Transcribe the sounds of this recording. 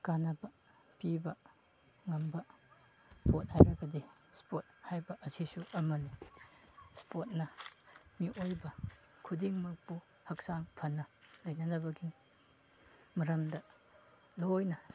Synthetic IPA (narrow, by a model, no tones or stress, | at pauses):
kanɐbɐ | pibɐ | ŋɐmbɐ | spot̚hajɾɐɡɐdi | spot̚hajbɐʔɐsisuʔɐmɐli | spot̚nɐmiʔojbɐ | kʰudiŋmɐk̚pu | hɐksaŋpʰɐnːɐlɐjnɐnɐbɐɡi | mɐɾɐmdɐ | lojnɐ